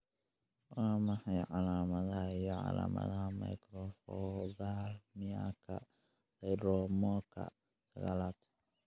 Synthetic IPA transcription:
wɑːmɑħɑjʕɑlaːmɐðɐɦɐijɔʕɑ̰la̰ːmɐ̰ðɐɦɐmɐ̰jkɾɔfɔðalmɪa̰kʰɐ̰ | dɛjdɔmɔːkʰɐ̰ | sɐɣa̰ːlaːt̪ʰ

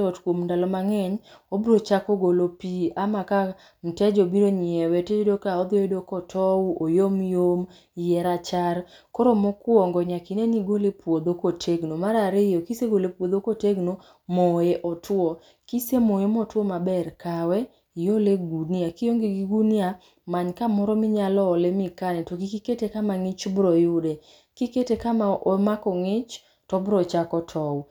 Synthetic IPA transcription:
ɔtkwomndalɔmaŋɛɲobɾot͡ʃakɔɡolopiamaka | m̩tɛd͡ʒobiɾoɲɛwɛtɛd͡ʒodokaɔd̪oedokɔtʰɔuʔojomjom | jɛɾat͡ʃaɾ | kɔɾomɔkwɔŋɡɔɲakineniɡolepwod̪okotʰeɡnomaɾaɾɪjɔkiseɡolepwod̪okoteɡno | moeʔɔtʰwɔ | kisemoemɔtwɔmabɛrkawɛ | joleɡuniakɪjoŋɡiɡiɡunia | maɲkamɔɾɔmɪɲalɔːlemɪkanɛtoɡikiketekamaŋɪt͡ʃbɾɔjʊde | kiketekamaʔomakɔŋɪt͡ʃ | tɔbɾɔt͡ʃakɔtʰɔw

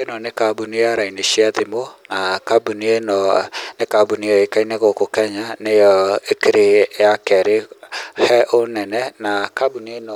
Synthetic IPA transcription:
enɔnekabunijaɾaineʃiaðimonakabunienɔnekabunijɔekainɛɣokokɛɲanejɔekeɾeakɛɾehɛʔonɛnɛnakabunienɔ

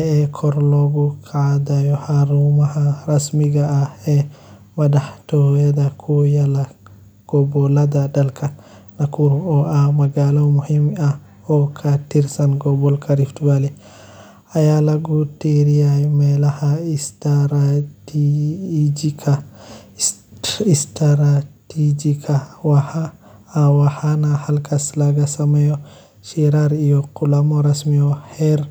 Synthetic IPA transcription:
ɛːkʰɔɾlɔːɣuqad̪ajɔhaɾumɐhɐrɐsmiɣɐːhɛːmɐdɐħt̪ʰɔjɐðɐkʰujɐlɐ | ɡ̥ɔbɔlɐdɐdɐlkʰɐ | nɐkʰuɾɔːʔɐhmɐɡaːlɔmʊhimɐ | ɔːkʰɐt̪ʰirsɐnɡɔbɔlkʰɐɾift̪ʊwalɛ | ajalaɡuteɾiamalahastaɾ | d͡ʒikʰa | istaɾatid͡ʒikʰawahaː | wahanahalkaslaɡasamajɔ | ʃiɾaɾijɔkːulamɔɾasmiɔhɛɾ

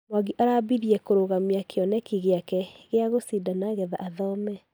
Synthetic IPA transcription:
mwaɣiʔaɾabiðiɛkoɾoɣamiakeɔnɛkiɣeakɛɣeaɣosidanaɣɛða̰ʔaðɔmɛ

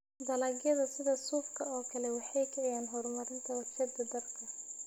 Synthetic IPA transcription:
d̪ɐlɐːɡjɐðɐsɪðɐsuːfkʰɐɔːkʰɐlɛwɑħɑjkʰɛʕɛjaːnɦɔrmɐɾɪnt̪ʰɐwɐrʃɐd̪ɐd̪ɐrkʰɐ

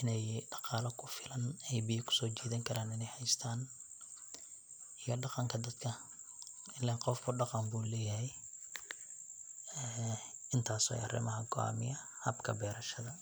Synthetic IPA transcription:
ɪnɛjɖɑqɑːlɐkʰʊfɪlɐnɛjbɪjɐkʰʊ̥sɔːt͡ʃiːðɐŋkʰɐɾaːnɪnɛjhɐjst̪ʰaːn | ijɔɖɑqɑŋkʰɐd̪ɐd̪kʰɐ | ɪlːɛqɔfkʰʊɖɑqɑmbuːlɛːjɐɦɛj | ɛːɪnt̪ʰaːsɔ̰jɑ̰rɪ̰mɐɦɐɡɔa̰ːmɪ̰jɐ | hɐbkʰɐbɛːɾɐʃɐðɐ

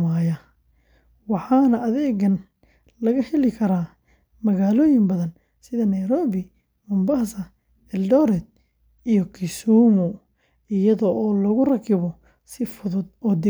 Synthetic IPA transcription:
aːjɐ | wɑħɑːnɐʔɐðɛːɡɐn | lɐɣɐhɛlɪkʰɐɾaː | mɐɣaːlɔːjɪmbɐðɐn | sɪðɐnɐjɾɔːβɪ | mʊmbɐːsɐ | ɛldɔːɾɛd̪̚ | ijɔkʰɪsuːmɔ | ɪjɐðɔʔɔːlɔɣʊrɐkʰɪβɔ | sɪfʊðʊd̪ɔːd̪ɪ

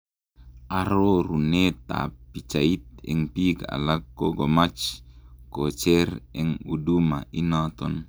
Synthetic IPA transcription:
ʔaɾoɾunet̪a̰pit͡ʃait̪̚ɛŋpikaa̰lakːoɡomat͡ʃkot͡ʃɛrɛŋudumaʔinat̪ɔn

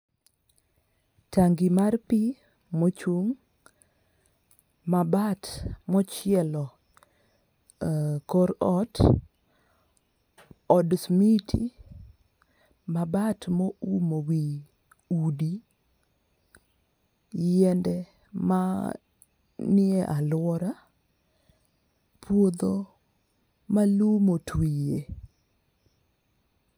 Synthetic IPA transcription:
taŋɡimarpi | mot͡ʃuŋ | mabatmɔt͡ʃɪɛlɔ | kɔɾɔt | ɔdsmitʰi | mabatmoumowi | udi | jɛndɛ | ma | nɪɛʔalwɔɾa | pwod̪o | malumotwije

